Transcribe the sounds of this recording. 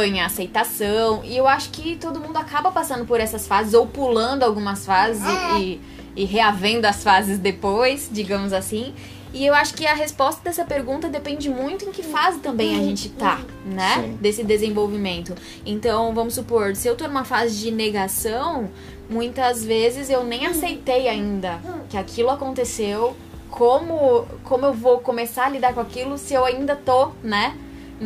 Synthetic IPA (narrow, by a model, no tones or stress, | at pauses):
õj̃asejt̪asɐ̃w̃ɪ̰ewaʃʊ̥kɪt̪od̪ʊmũnd̪ʊakabɐpasɐ̃nd̪ʊpoɾɛsɐsfazɪzowpulɐ̃nd̪ʊawɡũmɐsfazɪzɪɪ | ɪɦeavẽnd̪ʊɐsfazɪzd̪epojsd͡ʒiɡɐ̃mʊzasĩ | ɪewaʃʊ̥kɪɐɦespɔst̪ɐd̪ɛsɐpeɾɡũnt̪ɐd̪epẽnd͡ʒɪmũj̃t̪ʊẽkɪfazɪt̪ɐ̃mbẽj̃ɐʒẽnt͡ʃɪt̪a | nɛd̪esɪd̪ezẽvowvimẽnt̪ʊ | ẽnt̪ɐ̃w̃vɐ̃mʊsːupoɾsɪewt̪onũmɐfazɪd͡ʒɪneɡasɐ̃w̃ | mũj̃t̪ɐzvezɪzewnẽj̃asejt̪ejaĩnd̪ɐkɪakʰilʊakõnt̪esew | kʰõmʊkõmʊewvokõmesaɾɐlid̪aɾkõakilʊsɪewaĩnd̪ɐt̪onɛ